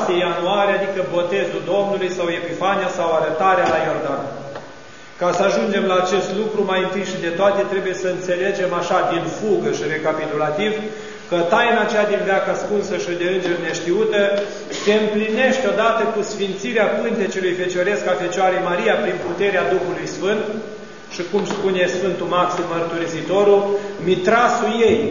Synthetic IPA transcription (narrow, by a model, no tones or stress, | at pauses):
siejanuaɾead̪ikəbo̞t̪e̞zuld̪o̞mnulujsawe̞pifanijasawaɾət̪aɾealajo̞rd̪an | kasəaʒund͡ʒe̞mlaːt͡ʃe̞st̪lukɾumajɨnt̪ijʃid̪e̞t̪oat̪e̞t̪ɾe̞buje̞səɨnt̪se̞le̞d͡ʒe̞maʃad̪infuɡəʃire̞kapit̪ulat̪iv | kət̪ajnat͡ʃejad̪invjakaskunsəʃid̪e̞ɨnd͡ʒe̞rne̞ʃt̪iut̪ə | se̞ɨmpline̞ʃt̪ʲo̞d̪at̪əkusfint̪siɾeapɨnt̪et͡ʃelujfe̞t͡ʃo̞ɾe̞skafe̞t͡ʃoaɾejmaɾijapɾinput̪e̞ɾead̪uxulujsfɨnt̪ | ʃikumspune̞sfɨnt̪umaksimːərt̪uɾisit̪o̞ɾumit̪ɾasuje̞j